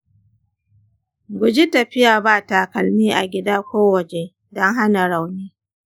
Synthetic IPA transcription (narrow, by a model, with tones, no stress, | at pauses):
ɡʷʊ˨d͡ʒi˦tɐ˨ɸɪ˦jaː˨baː˦ta˨kɐ˨lmiː˦ʔa̰˨ɡʲɪ˦daː˦kʷoː˦wɐ˨d͡ʒe˨ | dɔ˦ŋɦa˦na˨ɽa˨wniː˦